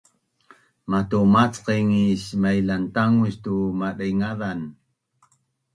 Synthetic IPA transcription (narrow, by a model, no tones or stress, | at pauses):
mat̪umat͡sqiŋiɕmajlant̪aŋuɕt̪umaɗajŋaðan